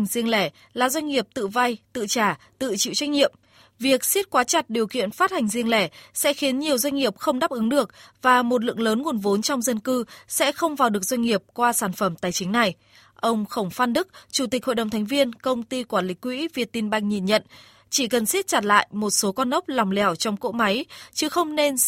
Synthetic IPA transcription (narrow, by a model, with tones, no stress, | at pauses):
ŋzi˧əŋlɛ˧˩ | laː˨˩zwa˧ŋŋi˨˩əp̚t̪ɨ̰˧˨va˧jt̪ɨ̰˧˨t͡ɕaː˧˩t̪ɨ̰˧˨t͡ɕḭ˧˨wt͡ɕwa˧jŋ̟ŋḭ˧˨əm | vi˨˩ək̚si˦˥t̚kwaː˨˦t͡ɕa˨˩t̚ɗi˨˩əwkḭ˧˨ənfaː˦˥t̚ha˨˩ŋ̟zi˧əŋlɛ˧˩sɛ̰˧˥xi˨˦ənɲi˨˩əwzwa˧jŋ̟ŋi˨˩əp̚xə˧wŋ͡mɗaː˦˥p̚ʔɨ˨˦ŋɗɨ˨˩ək̚vaː˨˩mo˨˩t̬̚lɨ̰˧˨ə˨ŋləː˨˦nŋu˨˩ənvo˨˦nt͡ɕɔ˧wŋ͡mzə˧nkɨ˧sɛ̰˧˥xə˧wŋ͡mvaː˨˩wɗɨ˨˩ək̚zwa˧ŋ̟ŋi˨˩əp̚kwaː˧saː˧˩nfə˧˩mt̪aː˨˩jt͡ɕï˨˦ŋ̟na˨˩j | ʔə˧wŋ͡mxə˧˩wŋ͡mfaː˦˥nɗɨ˦˥k̚t͡ɕu˧˩t̪i˨˩k̟̚ho̰˧˨jɗə˨˩ŋ͡mt̪ʰa˨˦jŋ̟vi˧ənkə˧wŋ͡mt̪i˧kwaː˧˩nlï˨˦˥kːwḭ˧˥vi˧˩ət̚t̪i˧nɓa˧jŋ̟ɲi˧˩nɲə̰˧˨n | t͡ɕi˧˩kə˨˩nsi˦˥t̚t͡ɕa˨˩t̚la̰ː˧˨jmo˨˩t̚so˨˦kɔ˧nʔə˦˥p̚lɔ˨˩wŋ͡mlɛ˨˩wt͡ɕɔ˧wŋ͡mko̰˧˥ma˨˦jt͡ɕɨ˨˦xə˧wŋ͡mne˧n